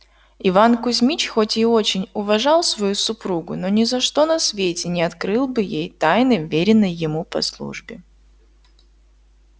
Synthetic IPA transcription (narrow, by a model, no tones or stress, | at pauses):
ɪvankʊzʲmʲit͡ɕxo̞tʲɪo̞t͡ɕɪnʲʊvɐʐɑlˠsvɐjusʊpɾuɡʊno̞nʲɪzɐʂt̪o̞nɐsvʲetʲɪnʲɪɐt̪kɾɨlˠbɨjejt̪ajnɨʊvʲeɾʲɪnːəjːɪmupɐ̰slˠṵʐbʲɪ